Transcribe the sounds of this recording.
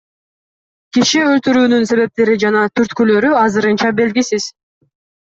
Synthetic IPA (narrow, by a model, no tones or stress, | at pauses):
kiʃiølt̪yɾyːnynse̞βe̞p̚t̪e̞ɾid͡ʒɑnɑt̪ʰyɾt̪kylø̞ɾyɑzɯɾɯnt͡ʃɑbe̞lɡisiz̥